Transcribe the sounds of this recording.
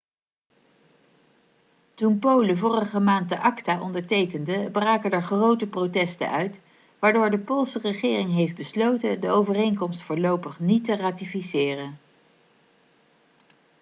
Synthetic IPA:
tunpowləvʊːrəχəmaːnt̚dəʔɑktaːʔɔndəɹtejkəndəbraːkədɛɹχrowtəprowtɛstə̰nʔœɥt | ʋaːɹdʊːɹdəpoːlˠsərəχɪːrɪŋɦejfd̚bəslowtədəowvərejŋkɔmstfʊːɹlowpəχnitəraːtifisɪːrən

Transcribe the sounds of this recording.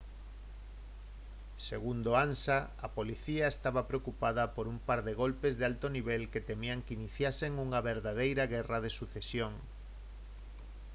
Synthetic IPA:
seɣund̪oansaapoliθiaest̪aβapɾeokupaðɐpoɾumpaɾðeɣolpezðealt̪oniβ̞ɛlket̪emiaŋkiniθjaseŋuŋaβeɾðað̞ejɾɐɣɛrað̞esuθesjoŋ

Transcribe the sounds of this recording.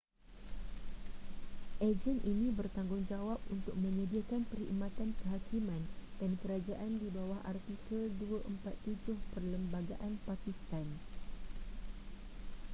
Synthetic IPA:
ʔed͡ʒənʔinĩbərt̪aŋɡʊŋd͡ʒawap̚unt̪ʊk̚mə̃ɲə̃diakanpəɾḭmãt̪ankəɦakimãnd̥ankəɾad͡ʒaʔandibawahʔart̪ikəlduaʔəmpat̪ːud͡ʒʊhpərləmbaɡaʔanpakist̪an

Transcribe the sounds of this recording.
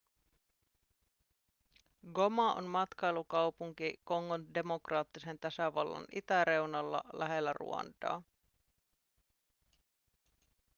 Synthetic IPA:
ɡo̞mɑʔo̰nmɑt̪kɑjlukɑwpuŋkiko̞ŋːonde̞mo̞krɑːt̪ːise̞nt̪æsæʋɑlːɑ̰nḭt̪æɾe̞wnɑlːɑ̰læɦe̞lːærṵɑ̰nt̪ɑ̰ː

